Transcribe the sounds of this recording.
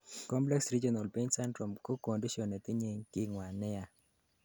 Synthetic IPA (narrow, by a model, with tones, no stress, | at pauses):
kɔ˦mplɛ˦ksɾi˦d͡ʒɔ˦na˨lpe˦ɲsɛ˦ndɾɔ˨mko˦ko˨ndi˦ʃɔ˨ne˨t̪ɪ˦ɲe˦ŋkɪ˦ŋwa˨nɪ˦a˦